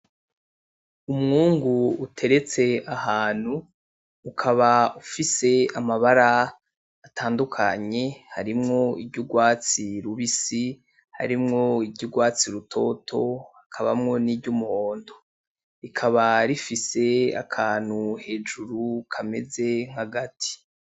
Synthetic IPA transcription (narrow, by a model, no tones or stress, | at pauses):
umŋuːŋɡuːtʰe̞ɾe̞t͡se̞ahaːn̥huː | kʰaβaufise̞amaβaɾaː | tʰaːndukʰaɲe̞haɾimŋo̞ibɟuɡwaːt͡siɾuβisi | ha̰ɾimŋo̞iɟuɡwaːt͡siɾutʰo̞̰tʰo̞hakʰaβa̰mŋo̞nibɟumuho̞ːndo̞ | ɾikʰaβaɾifise̞a̰kʰaːn̥huhe̞ːd͡ʒuɾukʰame̞ze̞ŋ̥haɡatʰi̥